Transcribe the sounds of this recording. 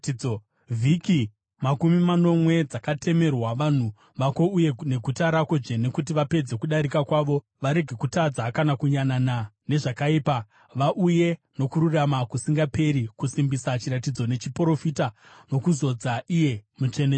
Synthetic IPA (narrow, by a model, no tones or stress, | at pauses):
o | vʱiki | makumimano̞mwe̞d͡zakatʰe̞me̞rwaʋan̤u | ʋako̞uje̞ne̞ɡʱutaɾako̞ʐe̞ne̞kut̬iʋape̞d͡ze̞kuɗaɾikakwaʋo̞ | ʋaɾe̞ɡʱe̞kutad͡zakanakuɲananane̞ʐakaiːpa | ʋaʔuje̞no̞kuɾuramakusiŋɡape̞ɾikusimbisat͡ʃiɾatid͡zo̞ne̞t͡ʃipro̞fitano̞kuzo̞d͡zaʔije̞mut͡ʃene